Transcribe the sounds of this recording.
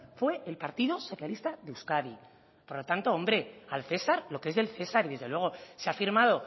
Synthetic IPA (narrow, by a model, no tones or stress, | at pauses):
fwe̞elpaɾt̪iðo̞so̞θjalist̪aðeuwskaði | po̞ɾlo̞t̪ant̪o̞o̞mbɾe̞alθe̞saɾlo̞kee̞zðe̞lθe̞saɾiðe̞zðe̞lwe̞ɣo̞seafiɾmað̞o̞